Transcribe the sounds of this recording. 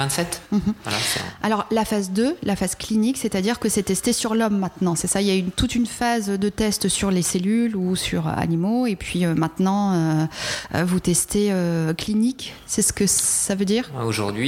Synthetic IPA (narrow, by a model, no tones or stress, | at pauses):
vɛ̃t̪sɛt̪m̩ɦa̰la̰sa̰lɔʁlafazd̪ølafaz̥kliniksɛt̪ad̪iʁkəsɛt̪ɛst̪esyʁlɔmːɛ̃t̪nɑ̃sɛsailjaynt̪ut̪ynfazød̪ət̪ɛst̪syʁleselylusyʁ̰a̰nimoepɥiømɛ̃t̪nɑ̃ø | ø̰vut̪ɛst̪eøklinik | sɛsə̥kəssavød̪iːʁoʒṵʁd̪ɥi